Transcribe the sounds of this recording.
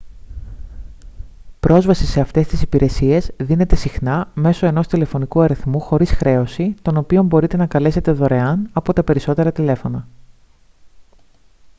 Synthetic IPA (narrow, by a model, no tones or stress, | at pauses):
pɾo̞zvɐsise̞ɐft̪e̞st̪isipiɾe̞sie̞zðine̞t̪e̞sixnɐme̞so̞e̞no̞st̪ile̞fo̞nikuɐɾiθmuxo̞ɾisxɾe̞o̞sit̪o̞no̞pio̞mbo̞ɾit̪e̞nɐkɐle̞se̞t̪e̞ðo̞ɾe̞ɐnɐpo̞t̪ɐpe̞ɾiso̞t̪e̞ɾɐt̪ile̞fo̞nɐ